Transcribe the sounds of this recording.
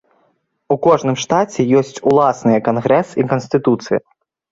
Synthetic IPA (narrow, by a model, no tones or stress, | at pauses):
ukɔʐnɨmʂt̪at͡sʲɛjɔsʲt͡sʲulˠasnɨjɐkanɣɾɛsikɐnsʲt̪ɨt̪ut̪sɨjɐ̰